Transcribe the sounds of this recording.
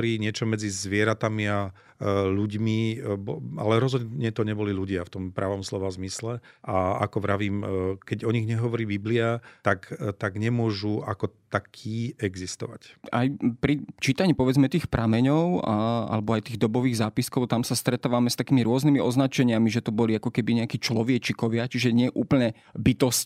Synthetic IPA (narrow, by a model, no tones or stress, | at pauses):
ɾiːɲɪɛt͡ʃɔmɛd͡zizʋɪɛɾat̪amia | luɟmibɔa̰lɛɾɔzɦɔd̪ɲɛt̪ɔɲɛbɔliluɟɪaft̪ɔmpɾaʋɔmslɔʋazmislɛ | ʔaa̰kɔʋɾaʋiːmkɛɟɔɲiɣɲɛɦɔʋɔɾiːbibliat̪akt̪aɡɲɛmʊɔʒuakɔt̪akʰiːɛɡzist̪ɔ̰ʋa̰cajpɾit͡ʃiːt̪aɲiːpɔʋɛd͡zmɛt̪iːxpɾamɛɲɔʊaa̰lɛbɔajt̪iːɣd̪ɔbɔʋiːɣzaːpiskɔʊt̪amsast̪ɾɛt̪aːʋamɛst̪akiːmiɾʊɔznimiɔznat͡ʃɛɲɪamiʒɛt̪ɔbɔliakɔkɛbiɲɛakiːt͡ʃlɔʋjɛt͡ʃikɔʋɪat͡ʃiʒɛɲɪɛʔuːpl̩ɲɛ | bit̪ɔsc